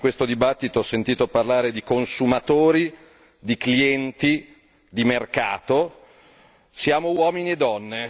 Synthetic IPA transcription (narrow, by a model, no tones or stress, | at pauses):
kwest̪od̪ibat̪ːit̪oɔsːent̪iːt̪oparlaːɾed̪ikonsumat̪oːɾi | d̪ikliɛnt̪i | d̪imerkaːt̪o | sjaːmowɔːminied̪ːɔnːe